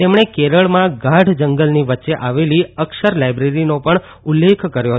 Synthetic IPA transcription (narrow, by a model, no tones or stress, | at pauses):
emɳekeɾəɭmãɡaɖʱd͡ʒəŋɡəlniʋətːʃeʔaʋeliəkʃəɾlajbɾeɾinopəɳ | ʊlːekʰkəɾjoɦ